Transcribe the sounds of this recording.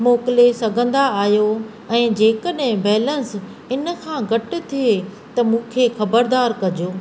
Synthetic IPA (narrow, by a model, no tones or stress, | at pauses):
moːkɪlesɐɡʱə̃nd̪aaːjo | ɛ̃ːd͡ʑeːkəɗɦɪ̃bɛːlə̃ns | ɪnkʰãɡʱɐʈʊ̆t̪ʰije | t̪ɐmũːkʰexɐbəɾd̪aːɾkɐd͡ʑoː